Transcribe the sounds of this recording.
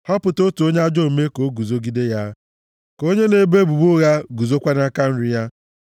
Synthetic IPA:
hɔ˦pʊ˨to˦tu˨o˦ɲe˦a˦d͡ʒo˦˨me˦ko˨˦ɡu˨zo˦ɡi˦de˦ja˦ | ko˦ɲe˦ne˨be˦bu˨bu˦ɣa˦ɡu˨zo˦kʷa˦na˦ka˦n̩˦ɾɪ˦ja˦

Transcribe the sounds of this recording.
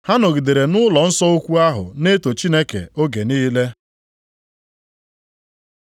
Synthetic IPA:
ha˦nʊ˨ɡi˨de˨ɾe˨nʊ˦lɔ˨n̩˦sɔ˦o˦kʷu˦a˦ɦʊ̰˨ne˦to˨t͡ʃi˦ne˦kḛ˨o˦ɡe˨niː˦le˦

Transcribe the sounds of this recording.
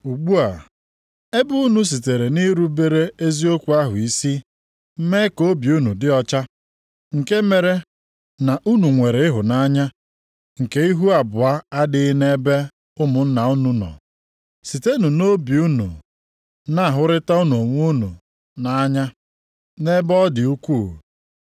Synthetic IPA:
u˨ɡ͡bu˦a˨ | e˦bʊ˦u˦nu˨s̬i˨te˨ɾe˨ni˦ɾu˨˦be˦ɾe˦e˦zi˦o˦kʷu˨a˦ɦʊ˨i˦si˦ | m̩˦me˦ko˦bi˨u˦nu˨dɪ˦ɔ˦t͡ʃa˦ | ŋ̩˨ke˦me˨ɾe˦ | na˨ʔu˦nu˨ŋʷe˨ɾe˨˦ɪ˦ɦʊ˨na˦ɲa˦ | ŋ̩˨ke˦i˦ɦu˦a˨bʊ˨a˦a˦dɪ˦ne˦be˦ | ʊ˦mʊ˨n̩˦na˨u˦nu˦nɔ̰˨ | si˨te˦nu˨no˦bi˨u˦nṵ˨ | na˦a˨ɦʊ˦ɾɪ˦ta˦u˦n˨u˨o˨ŋʷu˦nṵ˨ | na˦ɲa˦ | ne˦bɔ˦dɪ˨u˦kʷu˦˨

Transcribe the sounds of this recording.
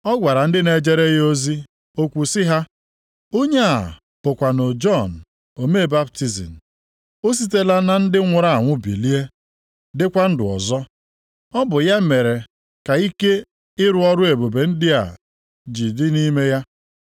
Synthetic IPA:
ɔ˦ɡʷa˨ɾa˨n̩˦dɪ˦ne˨d͡ʒe˦ɾe˦jo˦zi˦ | o˦kʷu˨sɪ˦ɦa˦ | o˦ɲe˦a˨ | pʊ˨kʷa˨no˨d͡ʒɔ˦˨n̩˨ | o˨me˦˨ba˦pti˦zḭ˨n̩˨ | o˦s̬i˦te˦la˦na˨n̩˦dɪ˦ŋʷʊ˦ɾa˦a˨ŋʷʊ˦bḭ˨li˦e˦ | dɪ˦kʷa˦n̩˦dʊ̰˨ɔ̰˨zɔ˦ | ɔ˦bʊ˨ja˦me˨ɾe˨ | ka˨i˦ke˦ | ɪ˦ɾʊ˦ɔ˦ɾʊ˦e˨bo˨be˨n̩˦dɪ˦a̰˨ | d͡ʒi˨dɪ˦ni˦me˦ja˦

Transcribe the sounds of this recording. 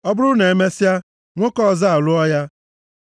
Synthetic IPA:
ɔ˦bʊ˦ɾʊ˦ne˨e˨me˦si˦a˦ | ŋʷo˦kɔ˦˨za˦a˨lʊ˦ɔ˦ja˦

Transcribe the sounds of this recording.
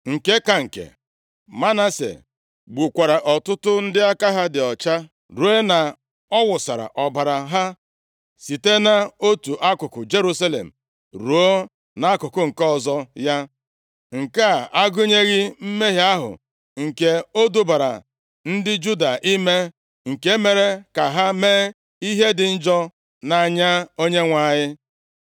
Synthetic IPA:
ŋ̩˨ke˦ka˨ŋ̩˨kḛ˨ | ma˦na˦sḛ˨ | ɡ͡bu˨kʷa˨ɾa˨ʔɔ˨tʊ˦tʊ˦n̩˦dɪ˦a˦ka˦ɦa˦dɪ˨ɔ˨t͡ʃa˦ | ɾu˨˦e˦na˨ | ɔ˦wʊ˨sa˨ɾa̰˨ʔɔ˨ba˨ɾa˨ɦa˦ | si˨te˦na˦o˦tu˨ʔa˦kʊ˨kʊ˨d͡ʒe˦ɾu˦sa˦lḛ˨m̩˨ | ɾu˨o˦ | na˦kʊ˨kʊ˦ŋ̩˨kɔ˨zɔ˦ja˦ | ŋ̩˨ka˦˨ʔa˦ɡʊ˦ɲe˦ɣɪ˦m̩˦me˦ɦi˨a˦ɦʊ̰˨ | ŋ̩˨ke˨o˦du˦ba˨ɾa̰˨ | n̩˦dɪ˦d͡ʒu˦da˨ʔi˦me˦ | ŋ̩˨ke˦me˨ɾe˦ka˨ɦa˦meː˦ | i˦ɦe˦dɪ˨n̩˦d͡ʒɔ˦ | na˨ɲa˦o˦ɲe˦ŋʷa˨ɲɪ˦

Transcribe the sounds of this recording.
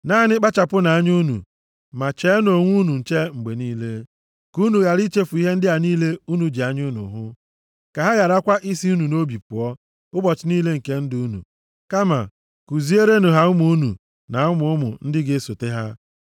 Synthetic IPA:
na˦nɪ˦k͡pa˦t͡ʃa˨pʊ˦na˨a˦ɲu˦nṵ˨ | ma˨t͡ʃe˨˦n˦o˨ŋʷu˦nu˨n̩˨t͡ʃe˦ŋ͡m̩˨ɡ͡be˨niː˦le˦ | ku˦nu˨ɣa˨ɾi˦t͡ʃe˦fu˨i˦ɦe˦n̩˦dɪ˦a˨niː˦le˦u˦nu˨d͡ʒe˨a˨ɲʊ˦nʊ̰˨ɦʊ˦ | ka˨ɦa˦ja˨ɾa˦kʷa˦ʔi˦si˦u˦nu˨no˦bi˨pʊ˨ɔ˦ | ʊ˦bɔ˨t͡ʃɪ˨˦niː˦le˦ŋ̩˨ke˦n̩˦du˦nṵ˨ | ka˦ma̰˨ | ku˨zi˦e˦ɾe˦nʊ˨ɦa˨ʊ˦mu˨˦u˦nṵ˨ | na˨ʊ˦mʊ˨˦mʊ̰˨n̩˦dɪ˦ɡɪ˦so˨te˦ɦa˦

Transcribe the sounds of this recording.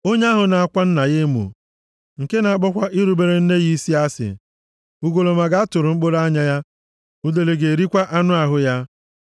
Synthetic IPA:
o˦ɲe˦a˦ɦʊ˨na˨a˦˨kʷa˦n̩˦na˨je˦mṵ˨ | ŋ̩˨ke˦na˨a˦˨k͡pɔ˦kʷa˦ʔi˦ɾu˨be˨ɾe˦n̩˦ne˦ɣi˦i˦si˦a˦sɪ̰˨ | u˦ɡo˨lo˨ma˨ɡa˦a˦tʊ˨ɾʊ˨ŋ͡m̩˦k͡po˦ɾa˦ɲa˦ja˦ | u˦de˨le˨ɡe˨ɾi˦kʷa˦ʔa˦nʊ˦a˨ɦʊ˦ja˦

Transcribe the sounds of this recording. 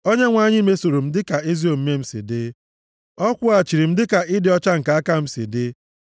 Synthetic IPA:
o˦ɲe˦ŋʷa˦˨ɲɪ˦i˦me˦so˨ɾo˨m̩˦dɪ˦ka˨ɪ˦zi˦o˨m̩˦me˦m̩˦sḭ˨dɪ˦ | ɔ˦kʷʊ˦a˨t͡ʃi˨ɾi˨m̩˦dɪ˦ka˨ɪ˦dɪ˨ɔ˦t͡ʃa˦ŋ̩˨ka˨˦a˦ka˦m̩˦sḭ˨dɪ˦

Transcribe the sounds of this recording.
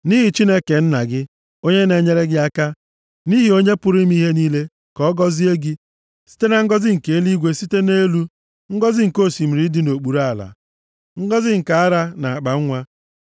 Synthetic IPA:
ni˦ɦi˨t͡ʃi˦ne˦ke˨n̩˦na˨ɡɪ˦ | o˦ɲe˦ne˨ɲe˦ɾe˦ɡɪ˦a˦ka˦ | ni˦ɦi˨o˦ɲe˦pʊ˦ɾi˦m˦i˦ɦe˦ni˦le˦ | kɔ˦ɡɔ˦zi˦e˦ɡi˦ | si̥˦te˦na˦ŋ̩˦ɡɔ˦zɪ˦ŋ̩˨ke˨e˦li˦ɡʷe˦si˦te˦ne˦lu˦ | ŋ̩˦ɡɔ˦zɪ˦ŋ̩˨ko˦˨si˨m̩˨ɾi˦di˦no˨k͡pu˨ɾa˦˨la̰˨ | ŋ̩˦ɡɔ˦zɪ˦ŋ̩˨ka˨a˦ɾa˦na˨a˨k͡pa˨ŋ̩˦ŋʷa˦

